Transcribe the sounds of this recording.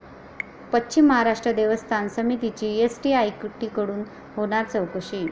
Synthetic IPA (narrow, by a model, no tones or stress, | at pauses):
pətːɕimːəɦaɾaʂʈɾəd̪eʋəst̪ʰansəmit̪it͡ɕiːesʈiːajkuʈːiːkəɽuːn | ɦoɽ̃aɾt͡səwkəɕiː